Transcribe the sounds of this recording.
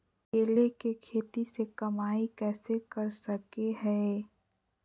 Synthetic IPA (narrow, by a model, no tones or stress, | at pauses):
keːlekekʰeːt̪isekɐmaːikɛːsekɐɾsɐkeɦɛ̃ː